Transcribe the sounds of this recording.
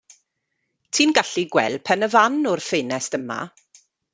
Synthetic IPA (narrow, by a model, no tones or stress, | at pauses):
tʰiːnɡaɬiɡwɛ̰lpʰɛnəvanʊrfeːnɛstəma̰